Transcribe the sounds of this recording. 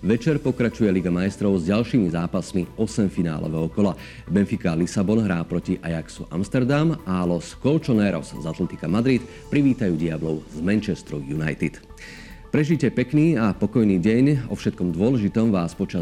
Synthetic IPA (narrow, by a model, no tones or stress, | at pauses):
ʋɛt͡ʃɛɾpɔkɾat͡ʃujɛliɡamajst̪ɾɔʊzɟalʃiːmizaːpasmiɔsɛmfina̰ːlɔ̰ʋɛɦɔkɔla | bɛnfikalisabɔnɦɾaːpɾɔciʔa̰jaksṵʔa̰mst̪ɛɾd̪amalɔskɔlt͡ʃɔnɛɾɔ̰szat̪lɛt̪i̥kamad̪ɾit̪ | pɾiʋiːt̪ajuːɟiablɔʊzmɛnt͡ʃɛst̪ɾṵjuna̰jt̪it̪ | pɾɛʒicɛpɛkniːapɔkɔjniːɟɛɲɔ̰fʃɛt̪̚kɔmd̪ʊɔlɛʒit̪ɔmʋaːspɔt͡ʃa